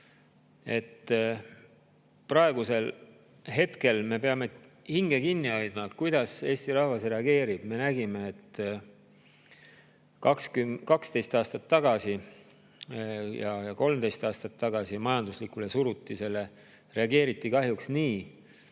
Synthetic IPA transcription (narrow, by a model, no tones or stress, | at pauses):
e̞t̪ː | prɑe̞ɡ̥use̞l | ɦe̞t̪ke̞lme̞pe̞ɑme̞hiŋɡ̥e̞kinːiɑjd̪̥mɑkujd̪̥ɑse̞ːst̪iɾɑhvɑsre̞ɑɡe̞ːɾib̥me̞næɡime̞ːt̪ː | kɑkskykɑkst̪e̞jst̪ɑːst̪ɑt̪ːɑɡɑsi | jɑjɑko̞lmd̪e̞jst̪ɑːst̪ɑt̪ːɑɡ̥ɑsimɑjɑnd̪uslikule̞suɾut̪ːˑise̞lːe̞ | re̞ɑɡe̞ːɾit̪ːˑikɑɦjuksniː